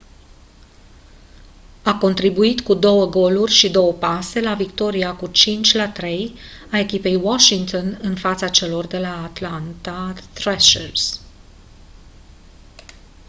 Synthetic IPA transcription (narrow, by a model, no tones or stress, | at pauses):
ako̞nt̪ɾibuit̪kud̪o̞wəɡo̞lurʲʃid̪o̞wəpase̞lavikt̪o̞ɾiakut͡ʃint͡ʃʲlat̪ɾe̞j | ae̞kʲipe̞jwaʃiŋɡt̪o̞nɨnfat̪sat͡ʃe̞lo̞rd̪e̞laːt̪lant̪at̪ɾɛʃers